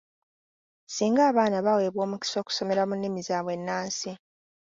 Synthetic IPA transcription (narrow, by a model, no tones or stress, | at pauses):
siːŋɡaːβaːnaβawe̞ːβwo̞ːmuki̥so̞ːku̥so̞me̞ɾamunːimizaːβwe̞nːaːnsi